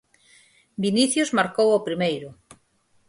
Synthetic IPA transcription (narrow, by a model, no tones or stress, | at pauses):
biniθjozmaɾkowopɾimejɾʊ